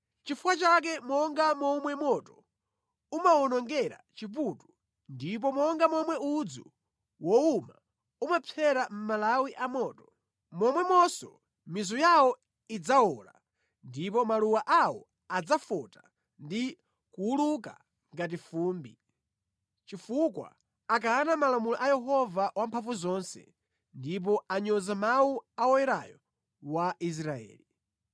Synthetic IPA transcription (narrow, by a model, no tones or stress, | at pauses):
t͡ʃifuwat͡ʃak̬ɛmɔŋɡamɔmwɛmɔtɔ | umawɔnɔŋɡɛɾa̰t͡ʃip̬utu | ndip̬ɔmɔŋɡamɔmwɛud͡zu | wɔuma | umapʰɛɾam̩malawiʔamɔːtɔ | mɔmwɛmɔsɔ | mizɔjawɔ | id͡zaɔːla̰ | ndipɔmaluwaʔawɔ | ad͡zafɔta | ndi | kuːluka̰ | ŋɡat̬ifuːmbi | t͡ʃifukwa̰ | ak̬aːnamalamulɔʔajɛɦɔvawampʰaɱvuzɔnsɛ̰ | ndip̬ɔaɲɔzamawuaɔjɛɾa̰jɔ̰ | waʔis̬ɾaɛ̰ːli